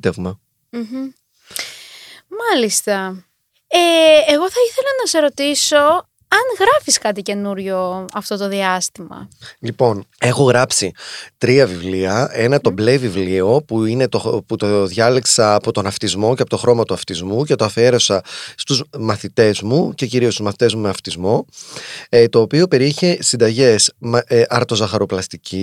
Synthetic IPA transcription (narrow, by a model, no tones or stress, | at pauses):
t̪evmɐ | m̩ɦ̩ | mɐlist̪ɐ | eːɣo̞θɐiθe̞lɐnɐse̞ɾo̞t̪iso̞ | ɐŋɣɾɐfiskɐt̪ice̞nuɾʝo̞ɐft̪o̞t̪o̞ðiɐst̪imɐ̰lipo̞ne̞xo̞ɣɾɐpsit̪ɾiɐvivliɐe̞nɐt̪o̞ble̞vivlio̞puine̞t̪oput̪oðʝɐliksɐːpo̞t̪onɐft̪izmo̞ceɐpo̞t̪o̞xɾo̞mɐt̪uɐft̪izmuce̞t̪oɐfe̞ɾo̞sɐst̪uzmɐθit̪e̞zmuce̞ciɾiost̪uzmɐθi̥t̪e̞zmumeɐft̪izmo̞ | t̪o̞ːpio̞pe̞ɾieçesind̪ɐʝe̞smeʔɐɾt̪o̞zɐxɐɾo̞plɐst̪icʰi